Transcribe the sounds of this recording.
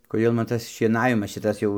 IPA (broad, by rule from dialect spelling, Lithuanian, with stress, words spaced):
koːˈdʲeːlˠ mɐn ˈtɐs ʃʲiɛˈnɑːʋʲɪmɐs ˈʃʲɪtɐs jɛʊ